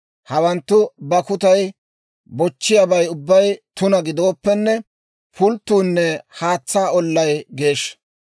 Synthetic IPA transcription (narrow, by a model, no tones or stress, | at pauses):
hɐwɐnt̪ːʊbɐkʊt̪ɐj | bɔt͡ʃːɪjɐbɐjʊbːɐjt̪ʊnɐɡɪd̪o̞ːpːɛnːɛ | pʰʊlt̪ːuːnːɛhaːt͡sːaːɔlːɐjɡe̞ːʃ